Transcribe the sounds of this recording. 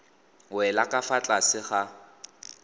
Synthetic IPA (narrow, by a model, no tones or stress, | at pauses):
wɛlakʼafat͡ɬʼasɪχa